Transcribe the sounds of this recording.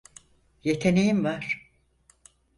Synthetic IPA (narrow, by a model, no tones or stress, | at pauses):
jet̪ʰe̞nejimvaɾ̥